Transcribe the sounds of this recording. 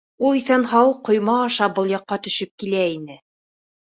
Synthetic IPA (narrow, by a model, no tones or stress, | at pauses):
ulˠiθænɦɑwqːŏjmɑːʃɑbɤlˠjɑqːɑt̪ɵ̆ʃɘp̚kilæinɘ